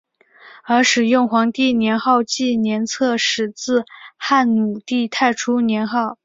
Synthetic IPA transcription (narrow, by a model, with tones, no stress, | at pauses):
ə˞˧˥ʂɻ̩˨˩jʊ˥˩ŋxwɑ˧˥ŋt̪i˥˩njɛ˧˥nxɑ˥˧ʊt͡ɕi˥˩njɛ˧˥nt͡sʰɤ˥˩ʂɻ̩˨˩t͡sɹ̩˥˧xa˥˩nnu˨˩t̪i˥˧t̪ʰa˥˩ɪʈ͡ʂʰu˥njɛ˧˥nxɑ˥˩ʊ